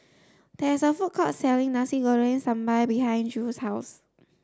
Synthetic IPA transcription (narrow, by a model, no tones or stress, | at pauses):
d̥ɛɪsəfʊt̚kʰɔtsɛlɪ̃ŋnasiɡɔɹə̃nsãmbajbiɦãɪ̃nd͡ʒushaʊs